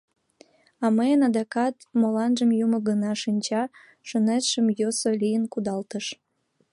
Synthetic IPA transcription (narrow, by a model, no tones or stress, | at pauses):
ɑməjənɑd̪ɑkɑt̪molɑnʒəmjumə̆ɡənɑʃinʲt͡ɕɑ | ʃənet̪ʃəmjosolijənkud̪ɑlt̪əʃ